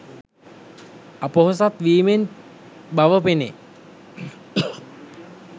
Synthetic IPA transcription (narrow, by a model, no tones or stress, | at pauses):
apəɦos̬at̪ʋiːmen | baʋəpene